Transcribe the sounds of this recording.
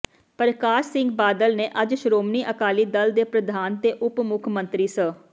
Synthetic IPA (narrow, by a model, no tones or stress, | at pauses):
pɾəkaːʃsɪŋɡbaːd̪əlneːʔəd͡ʒʃɾoːmniːʔəkaːliːd̪əld̪eːpɾəd̪ʱaːnt̪eːʔʊpmʊkʰmə̃nt̪ɾiːsə